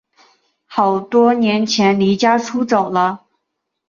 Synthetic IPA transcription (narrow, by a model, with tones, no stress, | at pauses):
xɑ˨˩ʊt̪wɔ˥njɛ˧˥nt͡ɕʰjɛ˧˥nli˧˥t͡ɕja˥ʈ͡ʂʰu˥t͡so˨˩ʊlə˦